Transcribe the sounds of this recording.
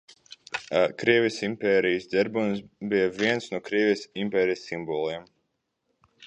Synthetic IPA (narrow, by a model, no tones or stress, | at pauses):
kɾiɛvʲijsimpʲɛːɾijəsd̪ɛɾbunsbijɐvʲiɛnsnuɔkɾiɛvʲijsimpʲɛːɾijsimbɔlˠiɛm